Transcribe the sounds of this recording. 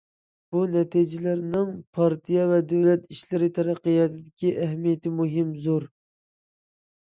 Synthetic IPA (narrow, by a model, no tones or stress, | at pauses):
b̥unɛt̪ʰid͡ʒɪlæɾnɪŋpʰɑɾt̪ʰijɑvɛd̪øwlɛt̪iʃlɪɾɪt̪ʰɛɾæqːəjɑt̪ʰɨd̪ɪkʲiʔæɦmijɛt̪ɪmuɦɪmzoɾ